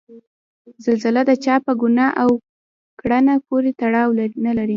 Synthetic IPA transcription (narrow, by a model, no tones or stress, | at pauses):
zalzalad̪ət͡ʃɑpəɡʊnɑʔaw | kɽanakoɾet̪aɽɑwlanalaɾi